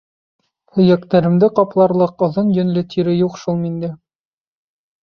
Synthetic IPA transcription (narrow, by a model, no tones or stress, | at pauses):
hɵ̆jækt̪æɾɘ̆md̪ɘqɒplˠɑɾlˠɤqŏðɤnjɵ̆nlɘt̪ʰiɾɘjuqʃulˠmind̪ɘ